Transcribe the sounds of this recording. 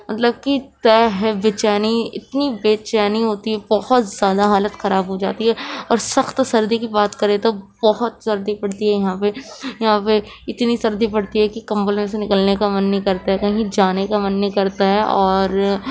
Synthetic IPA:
mɐt̪ləb̚kit̪ɛːɦɛbɪt͡ʃɛːniɪ̰t̪nibeːt͡ʃɛːniɦoːt̪iɦɛbɐhɔt̪z̥jaːd̪aɦaːlət̪xɐɾaːbɦod͡ʒaːt̪iɦɛɔːɾsɐxt̪sɐɾd̪ikibaːt̪kɐɾẽt̪obɐɦʊt̪sɐɾd̪ipɐɽt̪iɦɛjɐɦãːpejɐɦãpe | ɪt̪nisɐɾd̪ipɐɽt̪iɦɛkikɐ̃mbəlmẽsenɪkəlnekamɐnːĩkɐɾt̪aɦɛkɐɦĩd͡ʒaːnekamɐnːĩkɐɾt̪aɦɛʔɔːɾ

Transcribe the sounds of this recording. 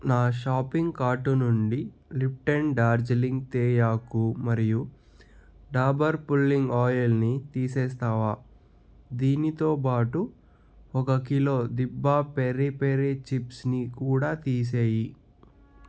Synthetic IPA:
naːʃaːpiŋɡkaːʈunuɳɖi | lip̚ʈenɖaːɾd͡ʒɐliŋɡt̪ɛːjaːkumɐɾiju | ɖaːbɐɾpulːiŋɡaːjɐlnit̪iːsɛːst̪aːʋaː | d̪iːnit̪o̞ːp̬aːʈu | ɔkɐkilo̞ːd̪ibːaːpeɾipeɾet͡ʃipsnikuːɽaːt̪iːs̬eːji

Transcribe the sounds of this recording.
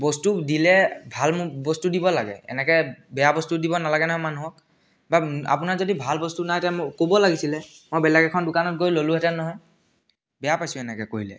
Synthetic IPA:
bɔstudilɛbʱalmbɔstudibɔlaɡɛ̰ɛ̰nɛkɛbɛjabɔstudibɔnalaɡɛnɔɦɔjmanuɦɔk̚ | baa̰punaɹzodibʱalbɔstunaɦjtɛmkobɔlaɡisilɛ | mojbɛlɛkɛkʰɔndʊkanɔt̚ɡojlolũɦɛtɛnɔɦɔj | bɛjapajsʊ̃ɛnɛkɛkoɦilɛ̰

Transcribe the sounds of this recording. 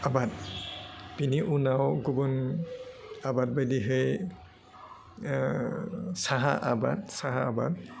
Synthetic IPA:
abat̚ | b̥iniʔunawɡubɔn | abat̚bajdiɦej | saɦaʔabat̚saɦaaba̰t̚

